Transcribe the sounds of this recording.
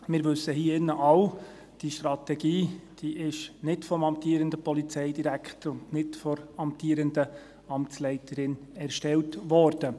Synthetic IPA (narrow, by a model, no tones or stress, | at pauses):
mɪːɾʋɵsːəɦiːɪnːəʔɑw | d̥iʃtɾɑt̪ɛɡiːd̥iːʔɪʃnɪtfɔmɑmpt̪iːɾəndəpɔlit͡sɛɪdiɾækχtəɾʊndnɪtfɔɾɑmptʰiːɾəndə | ɑmt͡slɛɪtʰəɾɪnɛɾʃtɛltʋɔːɾd̥ə